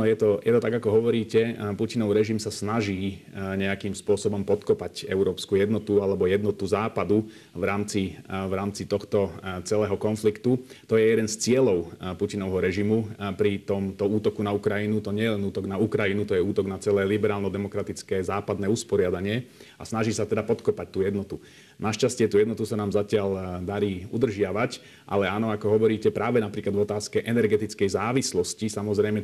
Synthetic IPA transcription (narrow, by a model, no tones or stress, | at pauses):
nɔjɛt̪ɔjɛt̪ɔt̪aɡakɔɦɔʋɔɾiːcɛpucinɔʊɾɛʒimsasnaʒiːɲɛakimspʊɔsɔbɔmpɔt̪kɔpacɛʊɾɔːpskujɛd̪nɔt̪ualɛbɔjɛd̪nɔt̪uzaːpad̪u | ʋɾaːmt͡siʋɾaːmt͡sit̪ɔxt̪ɔt͡sɛlɛːɦɔkɔnflikt̪ut̪ɔjɛjɛd̪ɛnst͡sɪɛlɔʊpucinɔʋɦɔɾɛʒimupɾit̪ɔmt̪ɔuːt̪ɔkunaukɾajinut̪ɔɲɪɛjɛlɛnuːt̪ɔɡnaukɾajinut̪ɔjɛuːt̪ɔɡnat͡sɛlɛːlibɛɾaːlnɔd̪ɛmɔkɾat̪it͡skɛːzaːpad̪nɛːuspɔɾɪad̪aɲɪɛa̰snaʒisat̪ɛd̪apɔt̪kɔpac̚t̪uːjɛd̪nɔt̪u | naʃcascɪɛt̪uːjɛd̪nɔt̪usanaːmzacɪald̪aɾiːṵd̪r̩ʒɪaʋac | ʔa̰lɛaːnɔakɔɦɔʋɔɾiːcɛpɾaːʋɛnapɾiːklad̪vɔt̪aːskɛʔɛnɛɾɡɛt̪it͡skɛjzaːʋislɔscisamɔzɾɛjmɛ